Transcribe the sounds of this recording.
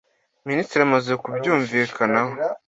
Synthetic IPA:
miniːstɾiamaze̞kubɟuːɱviːkʰanaho

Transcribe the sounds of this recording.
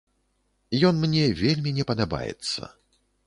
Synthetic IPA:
jɔnmnʲɛvʲelʲmʲinʲɛpɐd̪aba̰jɛ̰t̪sːɐ̰

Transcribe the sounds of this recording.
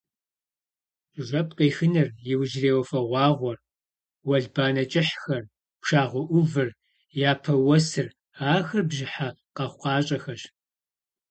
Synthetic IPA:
ʒʷɐpʼqeːxɨnɨrjɪwʒreːwɐfɐʁʷɑːʁʷɔr | wɐɮbaːnɐt͡ʃʼɪħxɐr | pʂaːʁʷɔʔʷʊvɨr | jaːpʰɐwɐsɨr | aːxɐrbʒɪħa | qɐχʷqɑːɕʼɐxɐɕ

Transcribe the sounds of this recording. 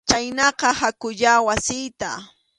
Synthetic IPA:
t͡ʃajnɑqɑhakʊʎawasɪjt̪a̰

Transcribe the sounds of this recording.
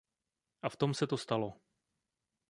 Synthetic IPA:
ʔaft̪o̞msɛt̪o̞st̪alo

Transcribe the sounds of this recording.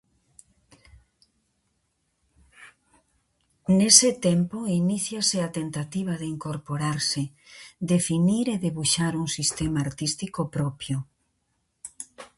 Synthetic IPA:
nesɪt̪empoiniθjaseat̪ent̪at̪iβ̞aðeiŋkoɾpoɾaɾsɪ | d̪efiniɾeðeβuʃaɾuŋsist̪emaːɾt̪ist̪ikopɾɔpjo

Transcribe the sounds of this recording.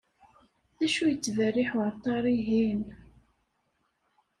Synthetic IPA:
ðæʃujət͡sːvərːiħwɾt̪ˤɑɾˤiɦin

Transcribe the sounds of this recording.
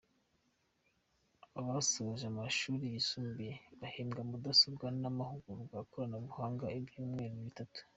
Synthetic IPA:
aβasoβaʒamaʃuːɾijisuːmbijeβaheːŋɡamudasobɡanamahuɡuɾɡwaːkoɾanaβuhaːŋɡaebjuːmŋeːɾoβitatu̥

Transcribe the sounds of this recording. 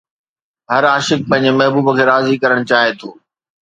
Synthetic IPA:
ɦɐɾaːʃɪk̚pɐ̃ɦɪ̃ɲd͡ʑmɐɦbuːbkʰeːɾaːzikɐɾəɽ̃t͡ɕaːɦet̪ʰoː

